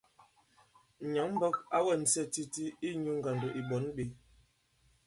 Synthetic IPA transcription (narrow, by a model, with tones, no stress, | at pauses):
ɲa˨˦ŋm̩˦bə˦ka˦wə˦˨n̩˨sɛ˦˨ti˦ti˦i˦ɲu˦ŋ̩˦ɡa˨n˨dɔ˨ʔi˨ɓɔ˨˦nɓe˨˦